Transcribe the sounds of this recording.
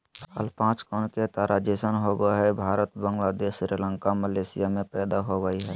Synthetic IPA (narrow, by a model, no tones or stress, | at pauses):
hə̰lpãːt͡ʃkɔːnket̪aɾad͡ʒesənɦoɡəɦɛbʱaːɾət̪bəŋɡlad̪eːsɾilə̃ŋkaməleːsijamẽpɛːd̪aɦoɡəiɦɛː